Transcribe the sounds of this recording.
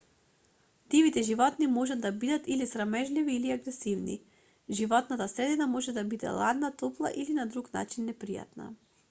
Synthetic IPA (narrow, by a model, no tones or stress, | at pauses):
d̪ivit̪ɛʒivɔt̪nimɔʒad̪ːabid̪at̪ilisɾamɛʒliviːliaɡɾɛsivnḭ | ʒivɔt̪nat̪asɾɛd̪inamɔʒɛd̪abid̪ɛ̰lˠad̪nat̪ɔplˠa̰ʔilinad̪ɾukna̰t͡ʃinːɛpɾija̰t̪na̰